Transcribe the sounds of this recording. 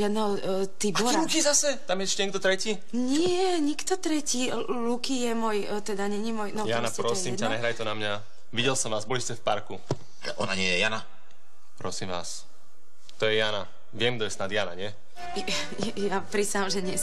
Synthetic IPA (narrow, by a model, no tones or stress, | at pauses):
ʒɪad̪nɛɦɔ | t̪ibuɾɛukizasɛt̪amjɛɛʃcɛɲɛɡ̚d̪ɔt̪ɾɛci | ɲɪɛɲikt̪ɔt̪ɾɛci | lukijɛmɔj | t̪ɛd̪aɲɛɲimɔjnɔjaːnapɾɔssiːmanɛɦɾajt̪ɔnamɲa | ʋiɟɛlsɔmʋaːzbɔliscɛfpaɾku | alɛ̰ʔɔna̰ɲɪɛjɛjana | pɾɔsiːmʋa̰ːs | t̪ɔjɛjaːna | ʋɪɛmɡd̪ɔjɛsnad̪jaːna̰ɲɪɛ | ɛjapɾisamʒɛɲɪɛs